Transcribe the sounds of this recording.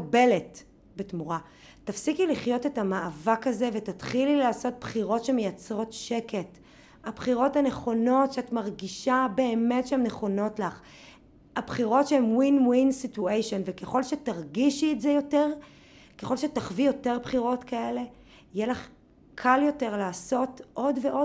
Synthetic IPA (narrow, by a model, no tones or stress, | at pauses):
belet | betmuʁa | tafsikiliχjo̞te̞tamaavakaze̞ve̞tatχililaːso̞t̚b̥χiʁo̞tʃeme̞jat͡sʁo̞tʃe̞ke̞t | abχiʁo̞tane̞χo̞no̞tʃeatmaʁɡiʃabe̞ːme̞tʃeemne̞χo̞no̞tlaχ | abχiʁo̞tʃeemwinwinsituejʃo̞nveke̞χo̞lʃe̞taʁɡiʃietzejo̞teʁ | keχo̞lʃe̞taχvijo̞teʁbχiʁo̞tkae̞le̞ | jelaχ | kʰaljo̞te̞ʁlaːso̞tʔo̞dveʔo